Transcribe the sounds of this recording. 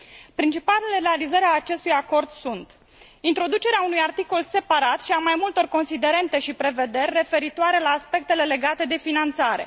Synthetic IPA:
pɾint͡ʃipalele̞ɾealizəɾeaːt͡ʃe̞st̪ujako̞rd̪sunt̪ | int̪ɾo̞d̪ut͡ʃe̞ɾeaunujart̪iko̞lse̞paɾat̪ʃiamajmult̪o̞rko̞nsid̪e̞ɾe̞nt̪e̞ʃipɾe̞ve̞d̪e̞rʲːe̞fe̞ɾit̪oaɾe̞laːspe̞k̚t̪e̞le̞le̞ɡat̪e̞d̪e̞finant̪saɾe̞̰

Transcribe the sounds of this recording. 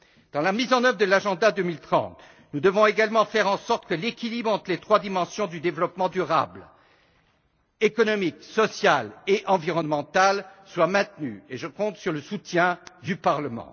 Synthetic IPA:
d̪̥ɑ̃lamizɑ̃nœvʁəd̪əlaʒɑ̃d̪ad̪ømilt̪χɑ̰̃t̪ | nud̪əvɔ̃eɡalmɑ̃fɛʁɑ̃sɔʁt̪kəlekʲilibʁɑ̃t̪χəlet̪χwad̪imɑ̃sjɔ̃d̪yd̪evlɔpmɑ̃d̪yʁa̰bl | ekɔnɔmiksɔsjaleʔɑ̃viʁɔnmɑ̃t̪alswamɛ̃t̪ny̰eʒəkɔ̃t̪syʁləsut̪jɛ̃d̪ypaʁləmɑ̰̃

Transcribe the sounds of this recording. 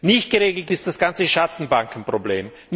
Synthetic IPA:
nɪçt̚ɡ̥əʁeːɡl̩tɪst̚d̥asɡ̥ant͡səʃatn̩baŋkn̩pʁ̥oblḛːm | n

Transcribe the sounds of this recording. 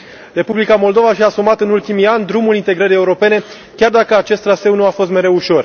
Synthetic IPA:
re̞publikamo̞ld̪o̞vaʃiasumat̪ɨnult̪imianʲd̪ɾumulint̪e̞ɡɾəɾije̞uɾo̞pe̞ne̞ | kʲard̪akəat͡ʃe̞st̪ɾase̞wnuafo̞s̬t̪me̞ɾe̞uʃo̞r

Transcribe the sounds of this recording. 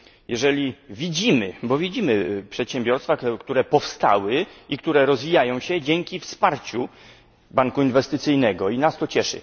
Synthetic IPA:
jɛʐɛlʲivʲid͡ʑimɘbɔvʲid͡ʑimɘpʂɛt̪ɕɛmbʲjɔɾst̪fakt̪uɾɛpɔfst̪a̰wɘikt̪uɾɛɾɔzvʲijajɔ̃w̃ɕɛd͡ʑɛŋkʲifspaɾt͡ɕu | baŋkuinvɛst̪ɘt̪sɘjnɛɡɔinast̪ɔt͡ɕɛʂɘ̰

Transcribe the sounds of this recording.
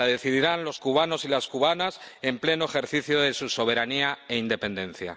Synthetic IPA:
aðe̞θiðiɾanlo̞skuβ̞ano̞silaskuβ̞anase̞mple̞noe̞xe̞ɾθiθjoðe̞suso̞β̞e̞ɾaniae̞ind̪e̞pẽ̞nd̪ẽ̞n̟θja̰

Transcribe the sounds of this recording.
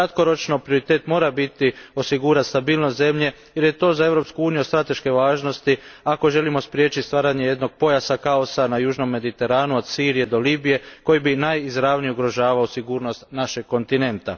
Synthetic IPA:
kɾat̪ko̞ɾo̞t͡ʃnopɾijoɾit̪e̞ːt̪mo̞ːɾabit̪io̞siɡuːɾast̪abiːlˠnost̪ze̞mʎe̞ | jeɾje̞t̪o̞ːzae̞ʋɾo̞pskuuːnijust̪ɾat̪e̞ʃke̞ʋaːʒno̞st̪iako̞ʒe̞limo̞spɾje̞t͡ʃist̪ʋaːɾaɲe̞je̞d̪no̞ɡ̥̚po̞jasakaosanajuːʒno̞mːe̞d̪it̪e̞ɾaːnuod̪siːɾije̞d̪o̞liːbije̞ko̞jibinajizɾaʋnijeuɡɾo̞ʒaːʋaosiɡuːɾno̞st̪naʃeɡkːo̞nt̪ine̞nt̪a̰

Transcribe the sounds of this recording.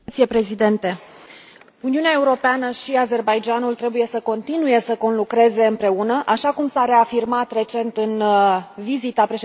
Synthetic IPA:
t̪sijepɾe̞zid̪e̞nt̪e̞ | uniuneae̞uɾo̞peanəʃiaze̞rbajd͡ʒanult̪ɾe̞buje̞səko̞nt̪inuje̞səko̞nlukɾe̞ze̞ɨmpɾe̞unəʔaʃakumsaɾe̞afirmat̪re̞t͡ʃe̞nt̪ɨnvizit̪apɾe̞ʃe

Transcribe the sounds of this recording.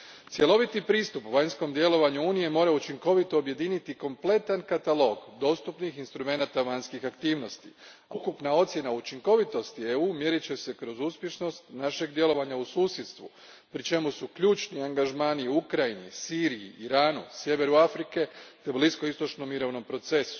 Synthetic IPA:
t̪sje̞lˠo̞ʋit̪ipɾiːst̪upʋaɲsko̞md̪je̞lo̞ʋaɲuuːnije̞mo̞ːɾaut͡ʃiŋko̞ʋit̪o̞ːbje̞d̪iːnit̪iko̞mple̞t̪ankat̪alˠo̞ɡd̪o̞ːst̪upnixinst̪ɾume̞nat̪aʋaɲskixakt̪iːʋno̞st̪ḭ | aukupnao̞t̪sje̞naut͡ʃiŋko̞ʋit̪o̞st̪ieuːmje̞ɾit͡ɕe̞se̞kɾo̞zuːspje̞ʃno̞st̪naʃe̞ɡd̪je̞lo̞ʋaɲausuːsjet̪st̪ʋṵ | pɾit͡ʃe̞musukʎuːt͡ʃniaŋɡaʒmaːniukɾainḭsiːɾiḭiɾaːnusje̞ʋe̞ɾuafɾike̞t̪e̞bliskoist̪o̞t͡ʃnomːiɾo̞ʋno̞mpɾo̞t̪se̞su̥

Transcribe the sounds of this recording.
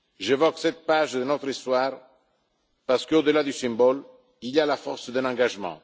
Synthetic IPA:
ʒevɔksɛt̪̚paʒd̪ənɔt̪ɾist̪waːʁ | paʁsə̥kəod̪əlad̪ysɛ̃mbɔl | ilialafɔʁsd̪ə̃nɑ̃ɡaʒmɑ̰̃

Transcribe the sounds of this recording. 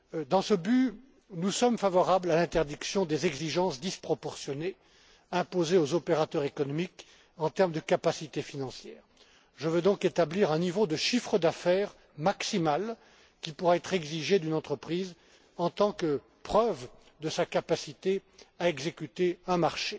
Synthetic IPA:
d̪ɑ̃səby | nusɔmfavɔʁablalɛ̃t̪ɛʁd̪iksjɔ̃d̪ezɛɡziʒɑ̃sd̪ispχɔpɔʁsjɔne | ɛ̃pozeozɔpeʁat̪œʁekɔnɔmik | ɑ̃t̪ɛʁmd̪əkapasit̪efinɑ̃sjɛːʁ | ʒəvød̪ɔ̃ket̪abliʁɛ̃nivod̪əʃifχəd̪afɛːʁ | maksimal | kʲipuʁaɛt̪χɛɡziʒed̪ynɑ̃t̪χəpχiːz | ɑ̃t̪ɑ̃kə | pχœv | d̪əsakapasit̪eaɛɡzekʲyt̪eɛ̃maʁʃe

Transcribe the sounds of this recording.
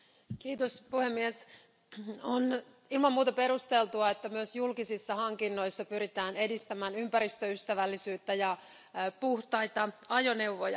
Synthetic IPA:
kiːt̪ospuhemːies | on | ilmɑmːuːt̪ɑpe̞ɾust̪e̞lt̪uɑet̪ːæmyøsjulkisisːɑhɑŋkinːo̞jsːɑpyɾit̪æːne̞dist̪æmæːnympæɾist̪øyst̪æʋælːisyːt̪ːæjɑ | puht̪ɑjt̪ɑɑjo̞ne̞uʋojɑ

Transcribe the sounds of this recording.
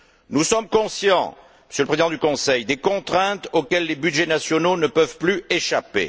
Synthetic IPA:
nusɔmkɔ̃sjɑ̰̃ | məsjøləpχezid̪ɑ̃d̪ykɔ̃sɛjd̪ekɔ̃t̪χɛ̃t̪okʲɛlːebyd̪ʒenasjɔnonəpœvplyeʃapḛ

